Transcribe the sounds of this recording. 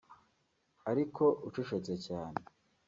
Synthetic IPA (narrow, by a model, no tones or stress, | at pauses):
aɾikʰo̞ʔut͡ʃuʃet͡secaːne